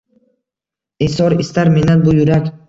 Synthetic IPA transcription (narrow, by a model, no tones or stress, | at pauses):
esɒɾɪst̪aɾmenanbʊjʊɾakʲ